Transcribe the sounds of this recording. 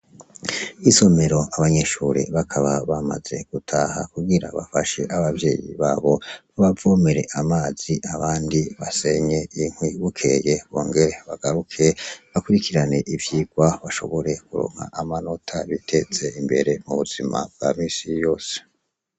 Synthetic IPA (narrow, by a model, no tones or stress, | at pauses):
iso̞me̞ɾo̞aβaɲe̞ʃuɾḭβakʰaβaβama̰ze̞ɡ̥utʰaha̰kuɡiɾa̰βafaʃe̞̰ʔaβavje̞̰ːjḭβaːβo̞moβavomeɾe̞ʔamaːz̥iʔaβaːndiβase̞ɲe̞ʔiŋ̥hwiβukʰe̞jeβo̞̰ːŋɡe̞ɾe̞βaɡ̥aɾukʰe̞βakuɾikiɾane̞ʔivjiɡ̥waβaʃo̞̰βo̞ɾe̞kuɾo̰ːŋ̥ha̰ʔamano̞tʰaβitʰe̞t͡se̞imbe̞̰ɾe̞muβuz̥ima̰bɡ̥a̰miːsijo̞ːse̥